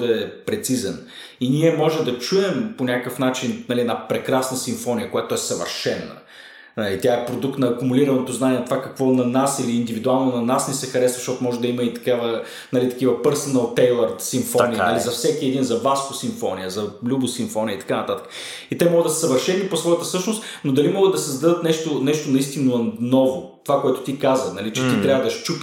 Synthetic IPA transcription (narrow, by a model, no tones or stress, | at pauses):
d̪ɐɛpɾɛt̪sizɛn | iniɛmɔʒɛd̪ɐt͡ʃuɛmponʲakkəfnat͡ʃinnɐliɛnapɾɛkɾasnɐsiɱfɔnʲijəkojat̪oɛsɐvə̰ɾʃɛnːɐ̰ | nɐlit̪ʲjaɛpɾod̪uk̚t̪nɐːkumuliɾɐnnot̪oznanʲɛnɐt̪ovakɐkvɔnɐnasiliːnd̪ivid̪ualˠnonɐnasnɛsɛxɐɾɛsvɐʃt̪ɔt̪ʊmɔʒɛd̪ɐimɐit̪ɐ̥kavə | nɐlit̪ɐ̥kivəpəɾsənəlˠt̪ɛjlˠəɾsiɱfɔniənɐlizɐfsɛkiɛd̪inzɐvaskosiɱfɔ̰nijəzɐlʲubʊsiɱfɔnʲijə̰it̪ɐ̥kanɐt̪at̪ə̥kə̥ | it̪ɛmɔɡəd̪ɐssɐvəɾʃɛnːiposvɔjət̪əsɤʃnost̪nod̪ɐlimɔɡəd̪ːɐsɛzd̪ɐd̪ət̪nɛʃt̪onɛʃt̪onɐist̪innɔvot̪o̥vakoɛt̪ʊ̥t̪ikazənɐlit͡ʃɛt̪it̪ɾʲavəd̪ɐʃt͡ʃup